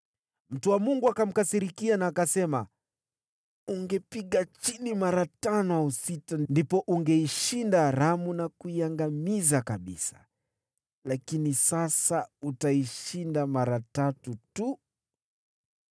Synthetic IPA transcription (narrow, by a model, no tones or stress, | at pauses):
m̩tuwamuŋɡuakam̩kasiɾikianaːkasɛma̰ | uŋɡɛpiɠat͡ʃinimaɾatanɔausitandipɔʔuŋɡɛiʃindaɾamunakuiaŋɡamizakaɓḭsḁ | lakinisasautaiʃindamaɾatatutu